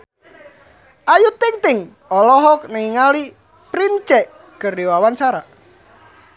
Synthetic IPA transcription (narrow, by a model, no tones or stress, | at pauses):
ʔajut̪ɪŋt̪ɪŋ | ɔlɔɦɔk̚naŋiŋali | pɾint͡ʃɛʔ | ɡ̥əriowawant͡ʃaɾa